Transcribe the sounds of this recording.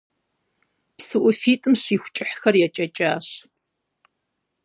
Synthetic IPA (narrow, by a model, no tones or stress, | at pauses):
psɨʔʷʊfiːtʼɨmɕiːxʷt͡ʃʼɪħxɐrjɛt͡ʃʼɐt͡ʃʼaːɕ